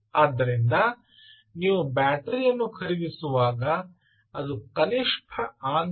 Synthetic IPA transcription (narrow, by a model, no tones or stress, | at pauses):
aːd̪ːɐɾind̪ɐ | niːʋubaːʈɐɾijɐnːukʰɐɾid̪isuʋaːɡɐ | ɐd̪ukɐniʂpʰɐaːn